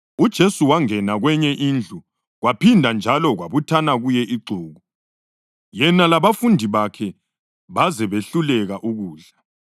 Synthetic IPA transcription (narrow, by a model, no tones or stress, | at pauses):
ud̥ʒ̥ʱesuwaŋɛnaɣwɛɲɛʔind͡ɮʱu | ɣwapʰindʱand͡ʒʱalɔɣwaβutʰanaɣujɛʔiɡ͡ǀʱuːɣu | jɛnalaβafundʱiβakʰɛ | βazɛβeɬulɛɣaʔuɣuːɮa